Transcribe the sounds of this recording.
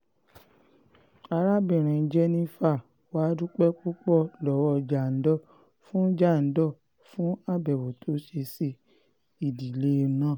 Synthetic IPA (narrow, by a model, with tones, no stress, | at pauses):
a˧ɾa˦bĩ˨ɾ̃ĩ˨d͡ʒɛ˧˦nĩ˦fa˦˨ | wa˨˦du˦k͡pɛ˦k͡pu˦k͡pɔ˦˨lɔ˨˦wɔ˧d͡ʒa˨n̩˦dɔ˦˨ | fũ˦d͡ʒa˦˨n̩˦dɔ˦˨ | fũ˦a˦˨bɛ˨wo˨tʰo˨˦ʃe˧si˧ | i˨di˨le˦˧˦nãː˦˨